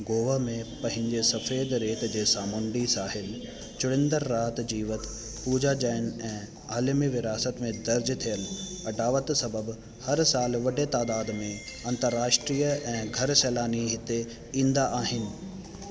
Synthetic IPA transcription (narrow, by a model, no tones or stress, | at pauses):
ɡoːʋamẽpɐ̃ɦɪ̃ɲd͡ʑesɐfeːd̪ɾeːt̪d͡ʑeːsaːmʊɳɖisaːɦɪl | t͡ɕʊɽ̃ɪ̃nd̪əɾːaːt̪d͡ʑiːʋət̪ | puːd͡ʑad͡ʑaːɪnɛ̃ː | aːlmiʋɪɾaːsət̪mẽd̪ɐɾd͡ʑt̪ʰijəlɐɖaːʋət̪sɐbəb | hɐɾsaːlʋɐɖet̪aːd̪aːd̪mẽɐ̃nt̪əɾːaːʃʈɾiːəʔɛ̃ːɡʱɐɾsɛːlaːniɦɪt̪e | ĩːnd̪aʔaːɦɪnɪ̆